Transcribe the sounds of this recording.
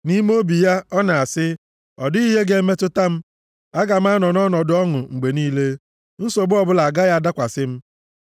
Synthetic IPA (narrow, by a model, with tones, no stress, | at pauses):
ni˦mo˦bi˨ja˦ɔ˦na˨a˨sɪ˦ | ɔ˨dʊ˦i˦ɦe˦ɡe˦me˦tʊ˦ta˦m̩˦ | a˦ɡa˨m̩˦a˦nɔ˨nɔ˦nɔ˨dʊ˦ɔ˦ŋʊ˨ŋ͡m̩˨ɡ͡be˨niː˦le˦ | n̩˦so˨bʊ˦ɔ˦bʊ˦la˨ɡa˦ja˦da˦kʷa˨sɪ˦m̩˦